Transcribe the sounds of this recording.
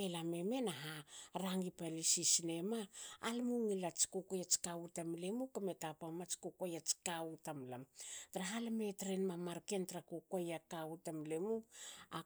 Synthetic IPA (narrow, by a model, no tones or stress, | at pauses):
elameme̞naɦaɾaŋipalisisine̞maːlmuŋilat͡ʃi̥kukojat͡ʃkautamlemukametapamat͡ʃi̥kukojat͡ʃi̥kawtamlamtɾaɦalame̞tɾenmamaɾke̞ntɾakukojakawtamlemua